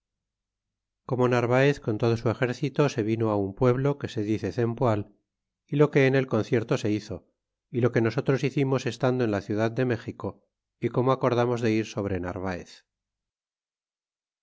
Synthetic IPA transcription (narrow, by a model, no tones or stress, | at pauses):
ko̞mo̞naɾβaeθko̞nt̪o̞ð̞o̞sue̞xe̞ɾθit̪ose̞β̞ino̞aumpwe̞βlo̞ke̞se̞ðiθe̞θe̞mpwal | ilo̞ke̞ːne̞lko̞n̟θje̞ɾt̪o̞se̞iθo̞ | ilo̞ke̞no̞s̬o̞t̪ɾo̞siθimo̞se̞st̪and̪oe̞nlaθjuðaðd̪e̞me̞xiko̞ | iko̞moako̞ɾð̞amo̞zðe̞iɾso̞β̞ɾe̞na̰ɾβ̞aḛθ